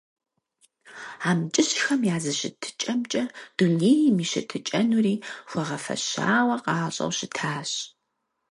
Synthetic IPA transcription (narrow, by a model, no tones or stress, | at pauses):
aːmt͡ʃʼɪɕxɐmjaːzɨɕɪ̰tʰɨ̥t͡ʃʼɐmt͡ʃʼɐd̥uneːjmiːɕɪ̰tʰɨt͡ʃʼɐnuriːxʷɔʁɐfɐ̰ɕa̰ːwɐqɑːɕʼɐ̰wɕɪtʰaːɕ